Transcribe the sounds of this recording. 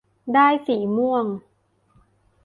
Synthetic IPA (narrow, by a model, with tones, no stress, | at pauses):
daː˥˩jsiː˩˦mu˥˩əŋ